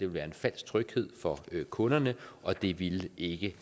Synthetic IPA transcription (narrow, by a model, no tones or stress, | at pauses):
d̥e̝ʋelʋæːɐe̝nfæl̰sɡ̥̚t͡sʰʁœɡ̥he̝ð̞̰ˠfɒ̽kʰɔ̽nɐnəʔɒ̽d̥e̝ʋile̝ɡ̥ə